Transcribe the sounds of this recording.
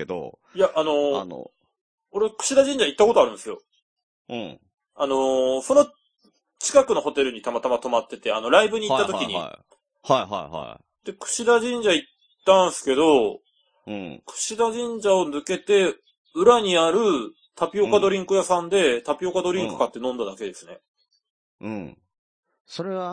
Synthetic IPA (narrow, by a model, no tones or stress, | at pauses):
ked̪o̰ | jaʔːno̞̰ | oɾekɯ̟̥ɕid̪aʑĩɲ̟d͡ʑait̪ːako̞t̪oaɾɯ̟̃nsɨjõ̞̰ | ano̞so̞no̞ | t͡ɕi̥kakɯ̟no̞ho̞t̪e̞ɾɯ̟ɲ̟it̪amat̪amat̪o̞mat̪ːe̞t̪e̞a̰no̞ɾaibɯ̟ɲ̟iːt̪ːat̪o̞kʲiɲ̟ḭ | hajɦa̰jha̰ | d̪̥e̞kɯ̟̥ɕid̪aʑĩɲ̟d͡ʑait̪ːãɰ̃sɨ̥ke̞d̪o̞ | kɯ̟̥ɕid̪aʑĩɲ̟d͡ʑao̞nɯke̞t̪e̞ | ɯ̟ɾaɲ̟iaɾɯ̟ | t̪apʲio̞kad̪o̞ɾʲĩŋkɯ̟jasãnd̪e̞t̪apʲio̞kad̪o̞ɾʲĩŋkɯ̥kat̪ːe̞nõ̞nd̪ad̪ake̞d̪e̞sɨne̞̰ | soɾea